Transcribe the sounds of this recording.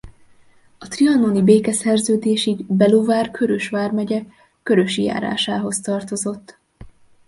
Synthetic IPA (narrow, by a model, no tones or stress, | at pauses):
ɒt̪riɒnonibeːkɛsɛrzøːd̪eːʃiɡbɛlovaːrkʰø̞ɾøʃʋaːrmɛɟɛ | kø̞ɾø̞ʃija̰ːɾa̰ːʃaːɦo̞st̪ɒrt̪o̞zo̞t̪ː